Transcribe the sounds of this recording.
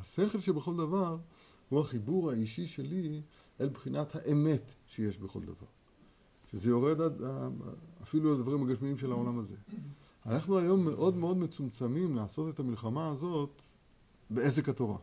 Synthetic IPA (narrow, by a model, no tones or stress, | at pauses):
aseχe̞lʃebeχo̞ld̪avaʁ | huaχibuʁhaiʃiʃe̞li | ʔelbχinat̪haʔeme̞tʃeje̞ʃbe̞χo̞̰ld̪a̰va̰ʁ | ʃeze̞jo̞ʁe̞d̪ada̰ː | filuald̪vaʁimaɡaʃmiimʃe̞lao̞lamaze̞ | anaχnuajo̞mːe̞ʔo̞d̪meo̞d̪me̞t͡sumt͡samimlaːso̞t̪e̞t̪amilχamaːzo̞t̪ | beezekhat̪o̞ʁa̰